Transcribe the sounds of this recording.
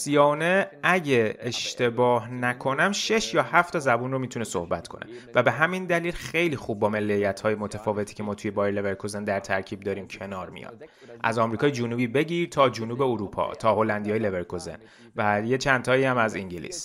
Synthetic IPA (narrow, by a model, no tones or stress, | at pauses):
siɒneæɟeeʃt̪e̞bɒːhnækʰo̞næmʃe̞ʃjɒːhæft̪ʰɒːzæbuːnro̞miːt̪ʰuneso̞̰hbæt̪kʰo̞̰nʔe̞̰væbe̞ɦæmind̪æliːlxe̞jliːxub̚ːɒːmelːejːæt̪ʰhɒːjemot̪ʰæfɒːve̞t̪ʰi̥ːcʰemɒːt̪ʰujebɒːjeleveɾkʰozend̪æɾt̪ʰæɾcʰiːb̚d̪ɒːɾiːmcʰe̞nɒːɾmḭjɒ̰d̪̥ | ʔæ̰zɒmɾiːkɒːjed͡ʒunuːbiːbe̞ɟiːɾt̪ʰɒːd͡ʒunuːbeuɾupʰɒ̰ːt̪ʰɒːho̞lænd̪iɒːjeleveɾkʰozḛn | væje̞t͡ʃʰænt̪ʰɒːiæmæziŋɟilḭːs